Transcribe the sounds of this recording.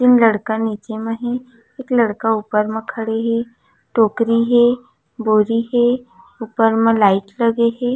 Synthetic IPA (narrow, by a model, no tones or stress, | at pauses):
t̪ɪnlɐɽkaniːt͡ʃemẽɦɛ̃ | eːklɐɽkauːpəɾmẽkʰɐɽeɦɛ | ʈoːkɾiɦɛ | boːɾiɦɛ | uːpəɾmẽlaːɪʈlɐɡeɦɛː